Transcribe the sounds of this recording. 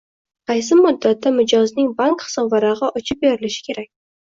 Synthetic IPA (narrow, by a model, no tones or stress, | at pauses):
qʰɑjs̬ɪmʊd̪ːat̪ʰːamɪd͡ʒɒznɪŋbaŋkχɨ̥sɒbvaɾɑʁɑʔɒt͡ʃʰɪp̚beɾɪlɪʃɪ̥kʲʰe̞ɾak̚ʲ